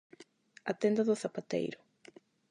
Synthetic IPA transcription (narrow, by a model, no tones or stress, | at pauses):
at̪ɛnd̪aðʊθapat̪ḛjɾʊ